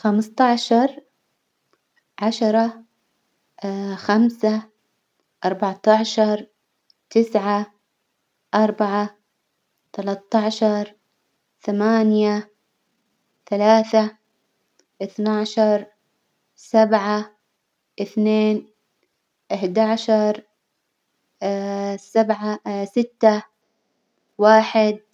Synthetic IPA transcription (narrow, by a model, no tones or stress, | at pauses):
xamst̪ˤɑʕʃɑɾˤ | ʕaʃɑɾˤɑ | xamsa | ʔɑɾˤbɑʕt̪ɑʕʃɑɾˤ | t̪ɪsʕa | ʔɑɾˤbaʕa | t̪alat̪ːɑʕʃɑɾˤ | θamaːnja | θalaːθa | ʔɪθnaʕʃɑɾˤ | sabʕa | ʔɪθneːn | ʔɪħd̪aʕʃɑɾˤ | sabʕasɪt̪ːa | waːħɪd̪̚